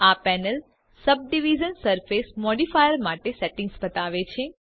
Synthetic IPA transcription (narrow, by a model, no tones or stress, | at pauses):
apɛnəl | səb̚ɖiʋid͡ʒənsəɾfesmɔɖifajəɾmaʈeseʈĩŋɡsbət̪aʋet͡ʃʰe